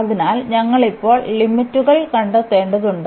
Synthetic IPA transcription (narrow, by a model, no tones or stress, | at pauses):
ɐðinaːlɲɐŋːɐɭipːo̞ːɭlimːitːuɣɐɭkɐɳɖɐt̪ːe̞ːɳɖɐðuɳɖ